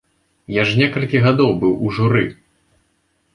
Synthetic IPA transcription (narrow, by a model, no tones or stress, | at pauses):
jaʐnʲɛkɐlʲkʲiɣad̪ɔwbɨwʔuʐuɾɨ